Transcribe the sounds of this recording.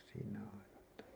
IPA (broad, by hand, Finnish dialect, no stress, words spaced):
siːnæ ɑinɑ mutːɑ